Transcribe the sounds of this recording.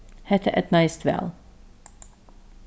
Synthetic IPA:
hɛt̪ʰəʔɛt̪naɪst̪ʋɛ̰lˠ

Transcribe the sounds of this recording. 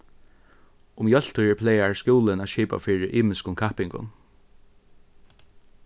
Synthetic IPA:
ʊmjœl̥t̪ʊɛɹpʰlɛjaɹskuːlɪnaʃiːpa̰fiːɹɪʔiːmɪskʊnkʰahpɪŋkʊ̰n

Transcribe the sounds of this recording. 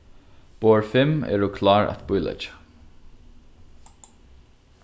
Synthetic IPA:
b̥oːɹfɪmɛ̰ːɹʊkʰlɑːɹa̰t̪bʊjlɛ̰t͡ʃə̥

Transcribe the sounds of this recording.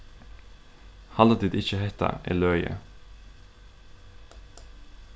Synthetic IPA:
hɑlət̪iːd̪ɪçəhɛt̪ɑ̰ʔḛːlœʏə̰

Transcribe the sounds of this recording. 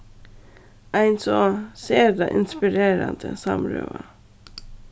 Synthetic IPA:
ʔæɪnsɔseːɾd̪ɑʔɪnspɪɾeːɾɑnd̪əsɑmɾø̰ːʋɑ

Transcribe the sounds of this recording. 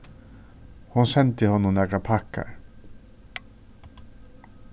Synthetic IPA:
hunsɛnt̪ɪhɔnːʊmnɛkɾapʰakːa̰ɾ

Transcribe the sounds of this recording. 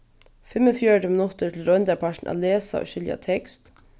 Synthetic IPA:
fɪmɔfjœɹʈəmɪnʊt̪ət̪ʰɪlɾɔnt̪aɹpʰaʃn̩ʔa̰ːt̪leːsa̰o̰ːʃʏlja̰t̪ʰɛkst̪

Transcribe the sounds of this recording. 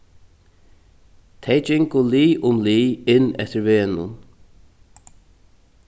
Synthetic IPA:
t̪ʰejt͡ʃɪŋkʊliːʔʊmliːɪnːɛ̰t̪əɾveːnʊ̰n

